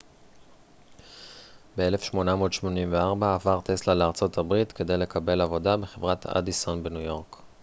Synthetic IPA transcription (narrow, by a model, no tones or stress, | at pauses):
beelefʃmo̞namo̞ːdʃmo̞nimveaʁbaːvaʁt̪e̞slaleaʁt͡so̞tʰabʁitke̞d̪e̞jle̞kʰabe̞lavo̞dabe̞χe̞vʁatʰa̰disonbenujo̞ʁk